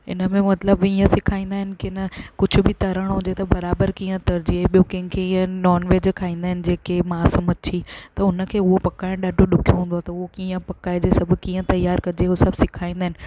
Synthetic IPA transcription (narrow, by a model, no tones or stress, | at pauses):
ɪ̰nəmẽmɐt̪ləbiːə̃sɪkʰaːĩːnd̪aːɦɪnɪ̆kɪnəkʊd͡ʑʱʊ̆bʱɪt̪ɐɾəɽ̃ɦũːd͡ʑet̪ɐbɐɾaːbəɾkĩːə̃t̪ɐɾd͡ʑiɓijõkɐ̃ɦɪ̃kʰeiə̃nɔːnʋeːd͡ʑkʰaːĩːnd̪aːɦɪnɪ̆d͡ʑeːkemãːsəmɐt͡ɕʰit̪ɐʊnə̆kʰeːʊɦopɐkaːɪɽ̃ɗaːɖʱoɗʊkʰijoɦũːn̆d̪oat̪ɐʊɦokiːə̃pɐkaːed͡ʑesɐbʱkiːə̃t̪ɐjaːɾkɐd͡ʑeosɐbʱsɪkʰaːĩːnd̪aːɦɪnɪ̆